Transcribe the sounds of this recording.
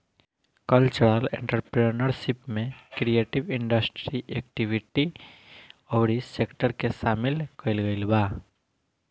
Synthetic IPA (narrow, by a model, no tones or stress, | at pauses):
kəlt͡ʃəɽalḛ̃ːɳʈəɾpɾenəɾʃɪpmẽkɾijeːʈɪʋɪ̃ɳɖəsʈɾiʔeːkʈɪʋɪʈi | ɔːɾiseːkʈəɾkesaːmɪlkɐɪlɡəɪlbaː